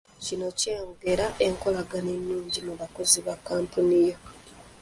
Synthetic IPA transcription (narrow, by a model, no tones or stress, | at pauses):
cino̞ceːŋɡe̞ɾaʔe̞ŋko̞laɡane̞nːuːɲɟimuβako̞ziβakːaːmpunija